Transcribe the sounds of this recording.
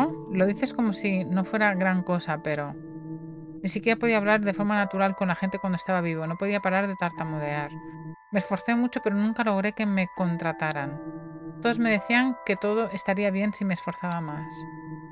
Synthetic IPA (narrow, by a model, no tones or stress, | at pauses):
olo̞ðiθe̞sko̞mo̞sino̞fwe̞ɾaɣɾaŋko̞sape̞ɾo̞ | nisikje̞ɾapo̞ðiaːβ̞laɾðe̞fo̞ɾmanat̪uɾalkonlaxe̞nt̪ekwand̪oe̞st̪aβaβ̞iβ̞o̞no̞po̞ðiapaɾaɾðe̞t̪aɾt̪amoðe̞aɾ | mesfo̞ɾθe̞mut͡ʃo̞pe̞ɾo̞nũŋkalo̞ɣ̞ɾe̞ke̞me̞ko̞nt̪ɾat̪aɾan | t̪o̞ðozme̞ð̞e̞θiaŋke̞t̪o̞ð̞oʔe̞st̪aɾiaβ̞je̞nsimeːsfo̞ɾθaβamas